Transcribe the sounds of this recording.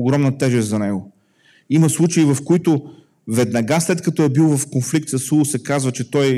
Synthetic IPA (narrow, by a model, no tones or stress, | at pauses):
oɡɾɔmnɐt̪ɛʒɛst̪zɐnɛɡo | imɐslˠut͡ʃɐivɐfkoit̪ʊ | vɛd̪nɐɡaslɛt̪kɐt̪ɔɛbilˠvɐfkonflik̚t̪səsusɛkazvət͡ʃɛt̪ɔj